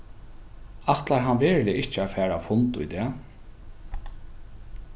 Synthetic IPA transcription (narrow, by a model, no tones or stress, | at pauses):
at̪laɾɦanʋɪɹlɪɪht͡ʃːɪafæːɹafʊnt̪ʊ̰jd̪ɛː